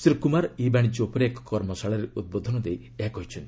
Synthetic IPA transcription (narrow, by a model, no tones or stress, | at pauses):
siɾkumaɾibaɽ̃id͡ʒopɔɾekɔ̥kɔɾmɔsaɭɔɾeut̪̚bod̪ʱɔnɔd̪ej | eɦakɔɦit͡ʃʰɔnt̪i